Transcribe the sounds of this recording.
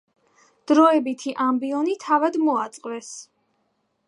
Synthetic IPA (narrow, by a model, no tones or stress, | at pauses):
d̪̥ɾɔɛbit̪ʰiʔambiɔnit̪ʰavad̪mɔat̪sʼqʼvɛs